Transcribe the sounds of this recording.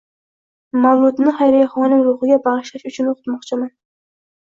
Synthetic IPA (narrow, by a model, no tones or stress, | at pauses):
mɑlˠud̪ɨnɨχæjɾɪjχɑnɨŋɾuχɨɡʲɛbɑʁɨʃlˠɑʃyt͡ʃʰynoqʰʊ̥t̪mɑχt͡ʃʰimɛn